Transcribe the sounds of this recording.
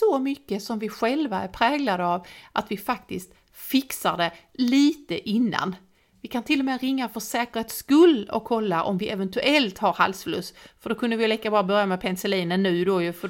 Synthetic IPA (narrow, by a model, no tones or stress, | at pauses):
sɔmʏkːəsɔmvɪɧɛlvaæɾpʰɾɛːɡlad̪əavʔat̪vɪfak̚t̪ɪst̪ | fɪksaɖɛ | liːt̪əʔɪnːa̰n | vɪkʰant̪ʰɪlːɔmɛːɾɪŋːafœʂɛːkəɾheːt̪skɵlːɔ̰kʰːɔlːaʔɔ̰mvɪʔɛvɛnt̪ɵʔɛlt̪haɾha̰lsflɵ̰sːfœɖɔkʰɵnd̪əvɪjliːkabɑːɾabœɾjamɛpʰɛnsɛliːnənːʉ̟ːd̪ojɵfə